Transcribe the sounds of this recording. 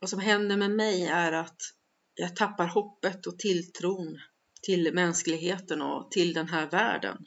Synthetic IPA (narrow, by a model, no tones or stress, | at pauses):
vasɔmɦɛnd̪əɾmɛmɛjæɾat̪ | jɑːɡt̪ʰapːaɾhɔpːət̪ɔt̪ʰɪlt̪ʰɾuːn | t̪ʰɪlmɛnsklɪɡɦeːt̪ənɔ̰t̪ʰɪld̪ɛnɦæːɾvæ̰ːɖə̰n